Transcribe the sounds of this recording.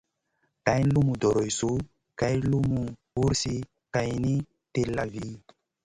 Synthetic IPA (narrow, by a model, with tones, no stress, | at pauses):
ka˨jn˦lu˦mu˨dɔ˨ɾo˨jsu˦ | ka˨jlu˦mu˨ | u˦ɾsi˦ | ka˨jni˦ | te˨lːa˨vi˦